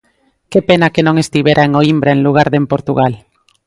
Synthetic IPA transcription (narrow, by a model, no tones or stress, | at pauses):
kepenakenõŋest̪iβeɾʔaeŋoimbɾaenluɣ̞aɾðempoɾt̪uɣal